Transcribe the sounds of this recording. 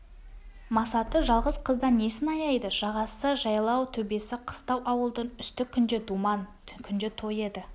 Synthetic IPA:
mɑsɑt̪əʒɑlˠʁəzqʰəzd̪ɑne̞sɪnɑjɑjd̪əʒɑʁɑsəʒɑjlˠɑwt̪ʰɵbe̞sɪqʰə̥st̪ɑwʔɑwəlˠd̪ənʏst̪ɪkʲʰːʏnd̪ed̪umɑn | kʲʰʏnd̪et̪ʰo̞je̞d̪ɪ

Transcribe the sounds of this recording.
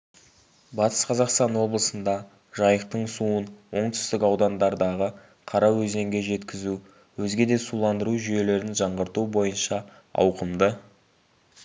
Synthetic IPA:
bɑt̪ʰə̥sqʰɑzɑqst̪ɑnwo̞blˠəsənd̪ɑ | ʒ̥ɑjəq̚t̪əɴsuənwo̞ɴt̪ʰʏ̥st̪ɪkɑwd̪ɑnd̪ɑɾd̪ɑʁə | qʰɑɾɑwɵze̞ŋɡʲe̞ʒe̞t̪kʲɪzu | wɵzɡʲe̞d̪e̞sulˠɑnd̪əɾuʒʏje̞le̞ɾɪnʒɑɴʁəɾt̪ubo̞jənʃɑ | ɑ̰wqəmd̪ə

